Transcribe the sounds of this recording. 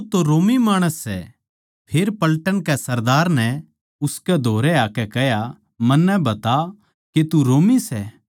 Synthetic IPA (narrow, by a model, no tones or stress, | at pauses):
ut̪oɾoːmimaːɽ̃əsːɛ̰ | pʰeːɾpɐlʈənkɛsɐɾd̪aːɾnɛ | ʊskɛd̪ʱoːɾɛaːkɛkɛɦja | mɐnːɛbɐt̪a | ket̪uɾoːmisɛː